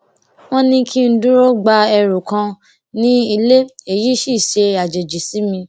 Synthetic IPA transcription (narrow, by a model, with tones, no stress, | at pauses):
w̃ɔ̃˦nĩ˧kʰi˦n̩˦dũ˦ɾo˦ɡ͡ba˧ɛ˧ɾu˨kã˧ | nĩ˦i˧le˦e˨ji˨˦ʃi˦˨ʃe˧a˨d͡ʒe˨d͡ʒi˨si˨˦mĩ˧